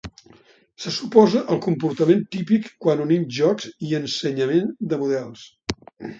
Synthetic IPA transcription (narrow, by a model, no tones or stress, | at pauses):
səsupɔzəʔəlˠkumpuɾt̪əment̪ipikːwanuninʒɔkz̥iənsəɲəmend̪əmuðɛlˠs